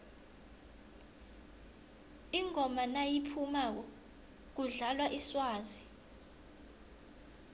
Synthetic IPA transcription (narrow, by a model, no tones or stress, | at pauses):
iŋʱɔmanajipʰumaːk̬ɔ | k̬uɮalwaʔiswaːzi